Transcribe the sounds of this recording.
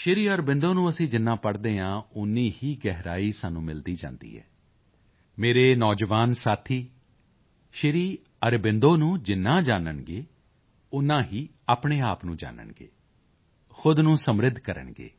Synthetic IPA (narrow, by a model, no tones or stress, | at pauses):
ʃɪɾiːəɾbɪ̃nd̪oːnũːəsĩːd͡ʒɪnːãːpəɽd̪eːãːʊnːiːhiːɡɛɦɾaːiːsaːnːũːmɪld̪iːd͡ʒa̰ːnd̪ḭːɛ̰ː | meːɾeːnɔːd͡ʒʋaːnsaːt̪ʰiː | ʃɪɾiː | əɾbɪnd̪oːnũːd͡ʒɪnːãːd͡ʒaːnəɳɡeː | ʊnãːɦiː | aːpɳeːaːpnũːd͡ʒa̰ːnə̰ɳɡḛː | xʊd̪nũːsəmɾɪd̪ʱkəɾə̰ɳɡḛː